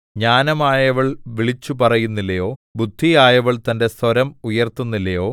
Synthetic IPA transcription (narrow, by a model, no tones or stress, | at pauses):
ɲaːnɐmaːjɐʋɐɭʋiɭit͡ɕːupɐrɐjunːilːɐjo̞ːbud̪ʱːijaːjɐʋɐɭt̪ɐnde̞sɐɾɐmujɐrt̪unːilːɐjo̞ː